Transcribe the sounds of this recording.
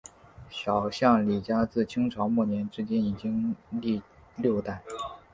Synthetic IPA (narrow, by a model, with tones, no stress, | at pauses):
ɕjɑ˨˩ʊɕjɑ˥˩ŋli˨˩t͡ɕja˥t͡sɹ̩˥˩t͡ɕʰi˥ŋʈ͡ʂʰɑ˧˥ŋmu˥˩njɛ˧˥nʈ͡ʂɻ̩˥t͡ɕjɛ˥ni˨˩t͡ɕi˥ŋli˥˧ | ljo˥˧ʊt̪a˥˩n